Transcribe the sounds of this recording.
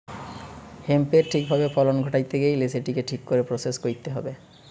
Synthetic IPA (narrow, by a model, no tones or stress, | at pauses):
hempeɾʈʰik̚bʱabefɔlonɡʱoʈajt̪eɡejleseʈikeʈʰikːoɾepɾoseskoɾit̪eɦɔ̰be